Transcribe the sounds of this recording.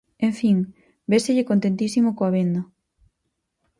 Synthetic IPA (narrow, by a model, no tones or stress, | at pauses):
ẽɱfiŋ | beseʎɪkont̪ent̪isimokoaβend̪ɐ